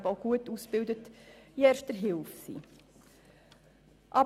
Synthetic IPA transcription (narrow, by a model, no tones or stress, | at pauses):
bəoʊɡ̥uətusb̥ɪldətiɛːɾʃt̚dəɾɦɪlfsḭ | ʔɑ